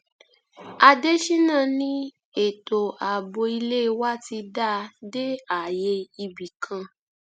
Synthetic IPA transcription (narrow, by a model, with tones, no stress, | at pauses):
a˧de˦ʃi˦nãː˦˨nĩ˦ | e˨to˨a˨bo˧i˧le˦˧wa˦ti˧da˦de˦a˨je˧i˧bi˨kʰã˧